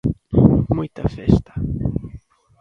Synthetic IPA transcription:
mũjt̪ɐfɛst̪ɐ̥

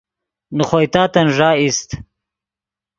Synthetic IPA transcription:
nuχojt̪aːt̪ɐnʐaːist̪

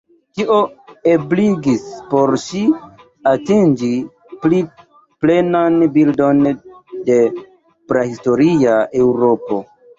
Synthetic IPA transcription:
tiʔoebliɡispo̞ɾʃi | atind͡ʒi | pli | ple̞nanbildo̞nde̞ | pɾahisto̞ɾiae̞wɾo̞po̞

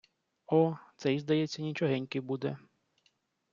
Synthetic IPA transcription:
ɔt̪sɛjizd̪ɐjɛt͡sʲːɐnʲit͡ʃɔɦɛnʲkɪbud̪ɛ

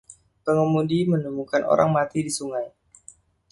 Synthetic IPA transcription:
pəŋəmudimənumukano̰ɾaŋmat̪idisuŋaj

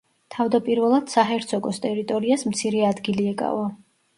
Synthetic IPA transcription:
t̪ʰavd̪apʼiɾvɛlˠad̪̥saɦɛɾt̪sʰɔkʼɔst̪ʼɛɾit̪ʼɔɾiasmt̪sʰiɾɛad̪ɡiliɛkʼa̰va

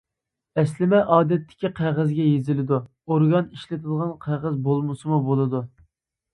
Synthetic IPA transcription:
ɛslɪmɛʔɑːd̪ɛt̪ʰːɪ̥kʲiqʰæʁəzɡʲɛjezɪlɪd̪u | oɾɡɑniʃlɪt̪ʰɪd̪ʁɑnqʰæʁəzbolˠmɨsɨmubolˠɨd̪u

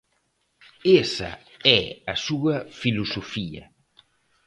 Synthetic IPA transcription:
esɐ̰ɛɐsuːɐfilusofiːɐ̰

